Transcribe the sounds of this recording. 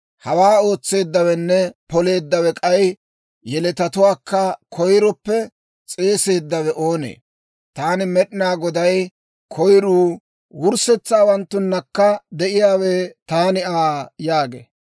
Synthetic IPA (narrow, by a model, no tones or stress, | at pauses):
hɐwaːo̞ːt͡sːe̞ːd̪ːɐwɛnːɛpɔle̞ːd̪ːɐwɛkʼɐj | jɛlɛt̪ɐt̪ʊwaːkːɐkʰɔjɾɔpːɛ | t͡sʼe̞ːse̞ːd̪ːɐwɛʔoːnḛː | t̪aːnɪmɛɗɪnaːɡɔd̪ɐj | kʰɔjɾuː | wʊɾsɛt͡sːaːwɐnt̪ːʊnːɐkːɐd̪ɛʔɪjaːweːt̪aːnɪaːjaːɡḛː